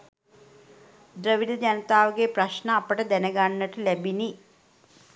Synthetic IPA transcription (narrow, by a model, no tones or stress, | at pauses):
d̪ɾɐʋid̪ɐd͡ʑɐnɐt̪aːʋɐɡeprɐɕnɐːpːɐʈɐd̪enɐɡaːɳnːɐʈːɨlebʱini